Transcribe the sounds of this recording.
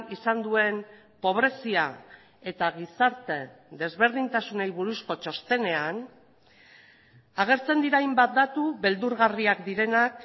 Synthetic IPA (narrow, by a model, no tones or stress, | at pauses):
isand̪ue̞n | po̞β̞ɾe̞sia | e̞t̪aɣ̞isaɾt̪e̞d̪e̞zβe̞ɾð̞int̪asune̞jβuɾusko̞t͡ʃo̞st̪e̞ne̞an | aɣ̞e̞ɾt͡se̞nd̪iɾajmbat̪̚d̪at̪uβe̞ld̪uɾɣariakd̪iɾe̞nak